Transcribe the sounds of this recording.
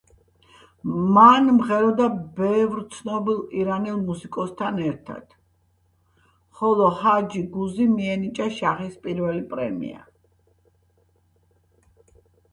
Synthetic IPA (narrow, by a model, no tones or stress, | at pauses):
manmʁɛɾɔd̪abɛvɾt̪sʰnɔbilˠiɾanilˠmusikʼɔst̪ʰanɛɾt̪ʰa̰d̪̥ | χɔlˠɔhad͡ʒiɡuzimiɛnit͡ʃʼaʃaχispʼiɾvɛlipʼɾɛ̰mḭa̰